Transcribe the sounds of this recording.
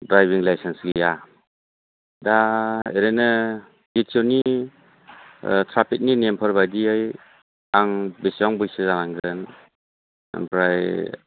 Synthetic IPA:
dɾajbiŋlajsensɡija | daeɾenɯ | bitʰoni | tʰɾapʰik̚ninempʰaɾbajdiɯj | aŋbesɔŋbɯjsɯzanaŋɡɯn | ḛmpʰɾaj

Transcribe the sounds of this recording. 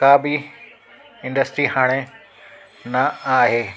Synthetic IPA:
kaːbɪ | ɪ̃nɖəsʈɾiɦaːɽ̃e | nɐaːɦeː

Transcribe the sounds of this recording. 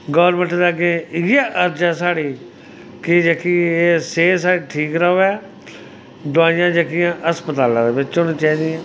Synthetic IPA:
ɡɔʋɾmə̃ɳʈd̪aːɡẽːɪaːʔəɾd͡ʒaːsaːɽiː | kɪd͡ʒəkiːeːseːsaːɽiːʈʰiːkɾaɦoːɛː | d̪ʊaːɪjãːd͡ʒəkɪjãːʔəspət̪aːlãːd̪eːʋɪt͡ʃoːnĩːt͡ʃaːiːd̪ɪãː

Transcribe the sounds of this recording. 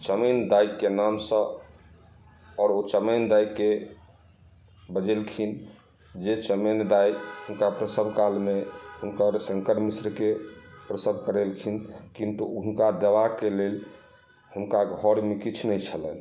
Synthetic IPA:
t͡ʃəmənd̪aikːenamsə̃ | ɔːɾot͡ʃəmənd̪aikːe | bəd͡ʒelkʰin | d͡ʒet͡ʃəmend̪ajkɦunkapɾəsəbʱkalmehunkəɾsə̃ŋkəɾmisɾkepɾəsəbʱkəɾelkʰinkint̪uunkad̪əʋakelel | hunkaɡʱɔɾmekit͡ʃʰnɛt͡ʃʰələn

